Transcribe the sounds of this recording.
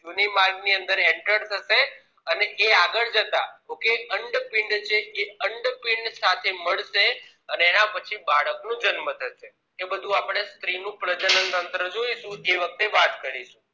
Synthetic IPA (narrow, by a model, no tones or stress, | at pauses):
junimaɾɡniənd̪əɾeɳʈəɾt̪ʰəʃe | əneʔeaɡəɭd͡ʒət̪a̰ɦokeəɳɖpɪɳɖt͡ʃʰeʔeəɳɖpɪɳɖsat̪ʰeməɭʃe | əneːnãpət͡ʃʰibaɭəknũd͡ʒənmət̪ʰəʃe | ebəd̪ʱũapɽ̃est̪ɾinũpɾəd͡ʒənənt̪ənt̪ɾəd͡ʒoiʃũeʋək̚t̪eʋat̪kəɾiʃũ